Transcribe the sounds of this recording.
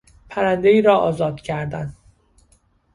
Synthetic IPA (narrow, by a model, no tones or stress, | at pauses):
pʰæɾænd̪e̞iːɾɒːʔɒːzɒːd̪̥cʰæɾd̪æn